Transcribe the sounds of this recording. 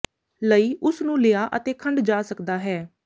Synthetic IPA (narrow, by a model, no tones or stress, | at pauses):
ləiːʔʊsnũːleaːʔət̪eːkʰəɳɖd͡ʒaːsəkd̪aːɦɛː